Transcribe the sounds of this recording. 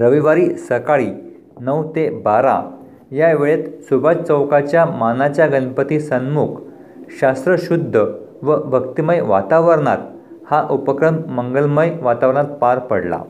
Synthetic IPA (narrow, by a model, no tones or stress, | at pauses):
ɾəʋiʋaɾiːsəkaɭiː | nəwt̪ebaɾa̰ | jaʋeɭet̪subat͡st͡səwkat͡ɕjamanat͡ɕjaɡənpət̪iːsənmukʰ | ɕast̪ɾəɕud̪ʱːəʋəbʱəkt̪iməjʋat̪aʋəɾɳa̰t̪̚ | haʔupəkɾəmməŋɡəlməjʋat̪aʋəɾɳat̪̚paɾpəɽla̰